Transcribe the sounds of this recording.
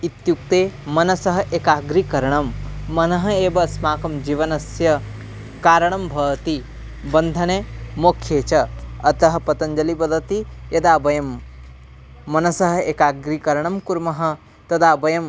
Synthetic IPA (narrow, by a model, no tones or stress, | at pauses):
it̪juk̚t̪eːmɐnɐsɐɦɐ̆ʔekaːɡɾikɐɾɐɳɐmːɐnɐɦɐ̆eːbɐsmaːkɐmd͡ʒiʋɐnɐsjɐ | kaːɾɐɳ̃ɐmbʱɐʋt̪i | bɐnd̪ʱɐnemoːkʰjeːt͡ʃɐɐt̪ɐɦɐ̆pɐt̪ɐɲd͡ʒɐlibɐd̪ʱɐt̪ijɐd̪aːbɐjɐm | ɐnɐsɐɦɐ̆ekaːɡɾikɐɾɐɳɐmkuɾmɐɦɐ̆ | t̪ɐd̪aːbɐjɐm